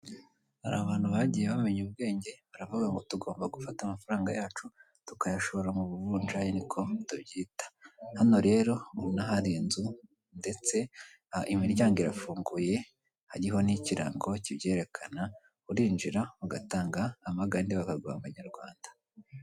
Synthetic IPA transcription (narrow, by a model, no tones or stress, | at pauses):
ha̰ɾa̰ːβaːn̥huβaɟijeβameɲubɡe̞ːɲɟe̞βaɾavuɡaŋɡo̞tuɡo̞ːmbaɡufatamafaɾaːŋɡajaːt͡ʃu | tu̥kajaʃo̞βo̞ɾamuβuvuːnd͡ʒajenikʰo̞tubɟiːtḁhano̞ɾe̞ːɾo̞naɦaɾiːnzu | nde̞t͡se̞ | imiɾɟaːŋɡiɾafuːŋɡuje̞ | haɾiɦo̞niciɾa̰ŋɡo̞cibje̞ːɾe̞kʰana | uɾiːnd͡ʒiɾaβaɡataːŋɡaːmaɡaːndiβakaɡwa̰ːβaɲaɾɡwaːndḁ